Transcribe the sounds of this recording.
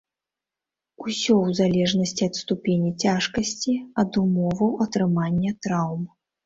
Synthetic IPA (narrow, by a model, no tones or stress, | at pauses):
usʲɔwzalʲɛʐnɐsʲt͡sʲiɐt̪st̪upʲenʲit͡sʲaʂkɐsʲt͡sʲiɐd̪umɔvɐwɐt̪ɾɨmanʲːɐt̪ɾawm